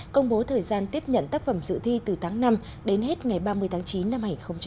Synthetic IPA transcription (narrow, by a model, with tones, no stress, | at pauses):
kə˧wŋ͡mɓo˨˦t̪ʰəː˨˩jzaː˧nt̪i˦˥əp̚ɲə̰˧˨nt̪aː˦˥k̚fə˧˩mzɨ̰˧˨t̪ʰwi˧t̪ɨ˨˩t̪ʰaː˨˦ŋna˧m | ɗe˨˦nɦe˦˥t̚ŋa˨˩jɓaː˧mɨ˧əjt̪ʰaː˨˦ŋt͡ɕi˨˦nːa˧mha˧˨˩xə˧wŋ͡mt͡ɕ